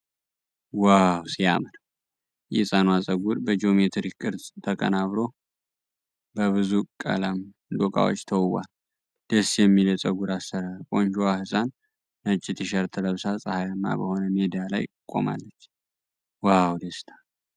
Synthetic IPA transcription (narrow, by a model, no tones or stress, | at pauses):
wawsia̰mənə | jɛ̰sʼanwasʼəɡuɾbəd͡ʒo̞met̪ʰɾikʼːɨɾd̪t̪ʰəkʼə̰naβɾo̞ | bəβɨzukʼə̰ləm | lokʼa̰wo̰t͡ʃːt̪ʰəwwa̰l | d̪̥əsjɛmːilət͡sʼəɡuɾasːəɾalkʼo̞nd͡ʒuwahɨsʼanː | ət͡ʃʼːɪt̪ʰiʃəɾt̪ʰələβsasʼəhajamːa̰bəho̞nəmed̪ijalajkʼo̞̰ma̰lːət͡ʃː | wawd̪əst̪ʰḁ